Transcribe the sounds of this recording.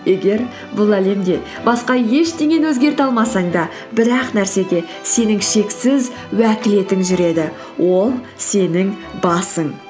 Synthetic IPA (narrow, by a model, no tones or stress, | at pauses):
je̞ɡʲe̞ɾ | bʊlˠæle̞md̪e̞ | bɑsqɑje̞ʃt̪e̞ɡʲe̞nwɵzɡʲe̞ɾt̪ɑlˠmɑsɑɴd̪ɑ | bɪɾɑqnæɾse̞ɡʲe̞ | se̞nɪŋʃe̞ksɪz | wækʲɪle̞t̪ɪŋʒʏɾe̞d̪ɪ | wʔo̞lˠ | se̞nɪŋbɑsəŋ